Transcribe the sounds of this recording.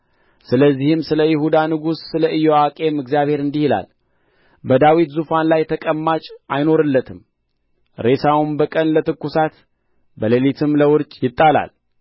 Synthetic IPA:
sɨləzːihɨmsɨləjɪhud̪anɨɡusːɨləʔɨjoakʼe̞mɨɡzijaβhe̞ɾɨnd̪ihila̰l | bəd̪awit̪zufanlajt̪ʰəkʼəmːat͡ʃʼajno̞ɾɨlːət̪ʰɨm | ɾe̞sawumbəkʼənlət̪ɨkːusat̪ | bəlelit̪ʰɨmləwʊɾt͡ʃʼjɪt̪ʼːala̰l

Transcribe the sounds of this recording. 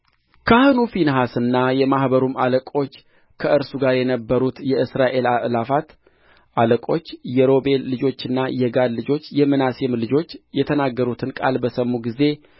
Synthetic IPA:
kʰahɨnufinɦasɨnːajɛmahbəɾumaləkʼo̞t͡ʃː | kʰəʔɨɾsuɡaɾjɛnəbːəɾut̪jɛʔɨsɾaʔe̞laʔlafat̪ | ʔaləkʼo̞t͡ʃːjɛɾo̞be̞lːɨd͡ʒo̞t͡ʃːɨnːajɛɡad̪lɨd͡ʒo̞t͡ʃːjɛmɨnasemlɨd͡ʒo̞t͡ʃːjɛt̪ʰənaɡːəɾut̪ʰɨnkʼa̰lbəsəmːuɡize̞

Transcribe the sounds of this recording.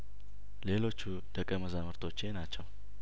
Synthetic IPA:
le̞lo̞t͡ʃːu | d̪̥əkʼːəməzamɨɾt̪ʰo̞t͡ʃːe̞nat͡ʃːɛw

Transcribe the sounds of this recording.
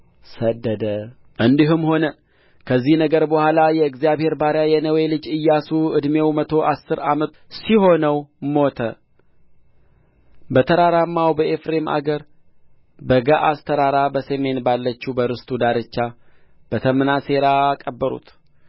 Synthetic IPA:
səd̪ːəd̪ə | ʔɨnd̪iɦɨmho̞nə | kʰəzːihnəɡəɾbəhʷalajɛɨkzijaβhe̞ɾbaɾjajɛnəwe̞lɨd͡ʒɨjːasuʔɨd̪mewmət̪ʰo̞ʔasːɨɾamət̪siɦo̞nəwmo̞t̪ʰə̰ | bət̪ʰəɾaɾamːawbəʔefɾe̞ma̰ɡəɾ | bəɡaʔast̪ʰəɾaɾabəseme̞nbalːət͡ʃːubəɾɨst̪ʼud̪aɾɨt͡ʃːab̥ət̪ʰəmɨnase̞ɾakʼəbːəɾṵt̪

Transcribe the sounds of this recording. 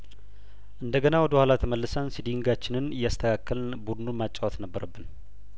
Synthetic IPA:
ʔɨnd̪əɡənawɔd̪əhʷalat̪ʰəməlːɨsənsid̪iŋɡat͡ʃːɪnɨnɨjːast̪ʰəkʰakːəlnbud̪ɨnumat͡ʃʼːawɔt̪nəbːəɾəbːɨn

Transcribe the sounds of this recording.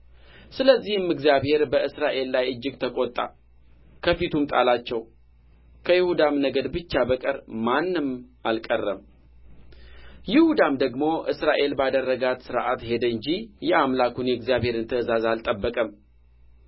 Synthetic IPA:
sɨləzːihɨmɨɡzjaβhe̞ɾbəɨsɾaʔe̞lːajɨd͡ʒːɪɡt̪ʰəkʼot̪ʼːa̰ | kʰəfit̪ʰumt̪ʼa̰lat͡ʃːɛw | kʰəjɪhud̪amnəɡəd̪bɨt͡ʃːabəkʼəɾmanːɨmalkʼərːəm | jɪhud̪amd̪əɡmo̞ʔɨsɾaʔe̞lbad̪ərːəɡat̪sɨɾʔa̰t̪he̞d̪əɲd͡ʒijɛamlakunjɛɡzijaβhe̞ɾɨnt̪ʰəzazalt̪ʼəbːəkʼəm

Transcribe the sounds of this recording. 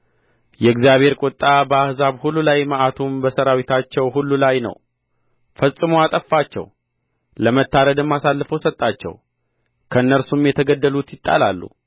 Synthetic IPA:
jɛɡzjaβhe̞ɾkʼot̪ʼːabəahzaβhulːulajməʔat̪ʰumbəsəɾawit̪ʰat͡ʃːɛwɦulːulajnə̰w | fəsʼɨmoat̪ʼəfːat͡ʃːɛ̰w | ləmət̪ːaɾəd̪ɨmːasalːɨfəwsət̪ʼːat͡ʃːɛ̰w | kʰəɨnːəɾsumjɛt̪ʰəɡəd̪ːəlut̪jɪt̪ʼːa̰lalːṵ

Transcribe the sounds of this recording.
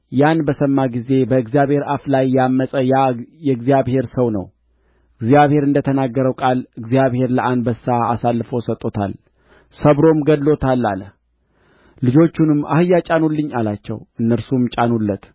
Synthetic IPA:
janbəsəmːaɡize̞bəɨɡzijaβhe̞ɾaflajːamːəsʼəjajɛɨɡzijaβhe̞ɾsəwnə̰w | ɨɡzijaβhe̞ɾɨnd̪ət̪ʰənaɡːəɾəwkʼalɨɡzijaβhe̞ɾləʔanbəsaa̰salːɨfo̞sət̪ʼːo̞t̪ʰa̰l | səβɾo̞mɡəd̪lo̞t̪ʰalːa̰lə | lɨd͡ʒo̞t͡ʃːunɨmːa̰hɨjːat͡ʃʼanulːɨɲːalat͡ʃːɛ̰wʔɨnːəɾsumt͡ʃʼanulːət̪

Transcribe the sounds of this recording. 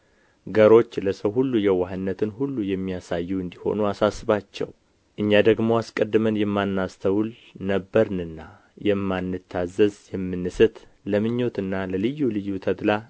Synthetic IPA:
ɡəɾo̞t͡ʃːləsəwɦulːujɛwaɦɨnːət̪ʰɨnhulːujɛmːijasajːuɨnd̪iho̞̰nuasasːɨβat͡ʃːɛ̰w | ʔɨɲːad̪əɡmo̞askʼəd̪ːɨmənjɛmːanːast̪ʰəwl | nəbːəɾnɨnːa | jɛmːanːɨt̪ʰːazːəzjɛmːɨnːɨsɨt̪ləmɨɲːo̞t̪ɨnːaləlɨjːulɨjːut̪ʰət̪la

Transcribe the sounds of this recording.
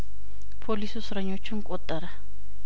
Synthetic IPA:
pʰolisusɾaɲot͡ʃʰuŋkʼɔt̪ʼaɾa

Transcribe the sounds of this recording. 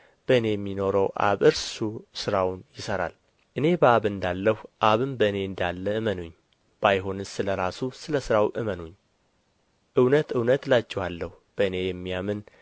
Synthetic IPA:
b̥əɨne̞jɛmːino̞ɾəwʔa̰βɨɾssusɨɾawnjɪsəɾa̰l | ʔɨne̞bəaβɨnd̪alːəhuʔaβɨmbəɨne̞ɨnd̪alːəɨmənoɲː | b̥ajɦo̞nɨsɨləɾasusɨləsɨɾawʔɨmənoɲː | ʔɨwnət̪ɨwnət̪lat͡ʃːɛhalːəh | b̥əɨne̞jɛmːijamɨn

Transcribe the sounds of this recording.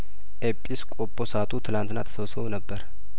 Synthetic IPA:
ʔepʼːiskʼopʼːosat̪ʰut̪ʰɨlant̪ɨna̰t̪ʰə̥səwsonəbːəɾ

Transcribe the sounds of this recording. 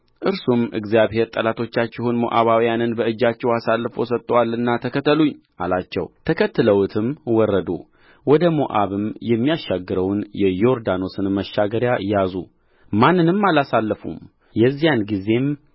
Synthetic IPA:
ʔɨɾsumɨ̰ɡzijaβhe̞ɾt̪ʼəlat̪ʰo̞t͡ʃːat͡ʃːɪhunmo̰ʔa̰βawijanɨnbəɨd͡ʒːat͡ʃːɛwasalːɨfo̞̰sət̪ʼːəwalɨnːat̪ʰəkʰət̪ʰːəluɲː | ʔa̰lat͡ʃːɛ̰wt̪ʰəkʰət̪ːɨləwt̪ʰɨmwɔrːəd̪o̰ | wɔd̪əmoʔa̰βɨmjɛmːijaʃːaɡːɨɾəwnjɛjo̞ɾd̪ano̞sɨnməʃːaɡəɾjajazu | manːɨnɨmːalasalːəfṵm | jɛzːijanɡize̞m

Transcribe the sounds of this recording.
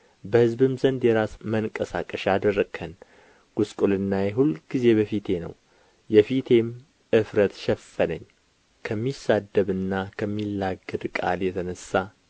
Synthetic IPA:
bəhɨzbɨmzənd̪jɛɾasməŋkʼəsakʼəʃad̪ərːəɡʰən | ɡ̥uskʼulɨnːajɛɦulɡ̥ize̞bəfit̪ʰe̞nə̰w | jɛfit̪ʰe̞m | ʔɨfɾət̪ʃɛfːənəɲː | kʰəmːisad̪ːəβɨnːakʰəmːilːaɡəd̪kʼa̰ljɛt̪ʰənəsːa

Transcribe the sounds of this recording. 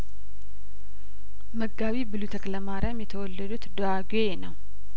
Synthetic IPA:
məɡːaβibɨlut̪ʰəkləmaɾamjɛt̪ʰəwɔlːəd̪ut̪d̪oaɡ | enəw

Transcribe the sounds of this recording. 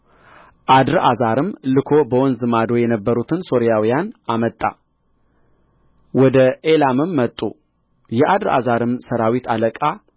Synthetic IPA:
ʔad̪ɾʔazaɾɨmlɨkʰo̞bəwɔnzɨmad̪o̞jɛnəbːəɾut̪ʰɨnso̞ɾijawijanamət̪ʼːa̰ | wɔd̪əelamɨmːət̪ʼːṵ | jɛʔad̪ɾa̰zaɾɨmsəɾawit̪ʰaləkʼa

